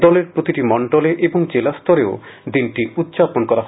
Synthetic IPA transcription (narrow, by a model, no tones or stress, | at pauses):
d̪ɔleɾpɾot̪iʈimɔɳɖoleʔeboŋd͡ʑelast̪ɔɾeo | d̪inʈiut̪ːɕaponkɔɾaɦ